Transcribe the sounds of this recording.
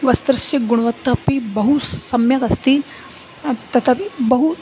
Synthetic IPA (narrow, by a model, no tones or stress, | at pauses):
ʋɐst̪ɾɨsiɡuɽ̃ʋɐt̪ːɐpibɐɦusɐmjɐkɐst̪i | t̪ɐt̪ʰɐpibɐɦu